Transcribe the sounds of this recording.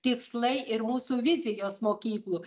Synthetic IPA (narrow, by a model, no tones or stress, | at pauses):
t̪ʲɪkslˠɐɪɪɾmuːsuʋʲɪzʲɪjoːsmoːkʲiːklˠuː